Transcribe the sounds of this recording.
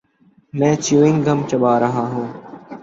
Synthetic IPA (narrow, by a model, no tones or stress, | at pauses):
mɛ̃ːt͡ʃjuːɪ̃ŋɡɡʱəmt͡ʃəɓaːɾəɦaːɦũː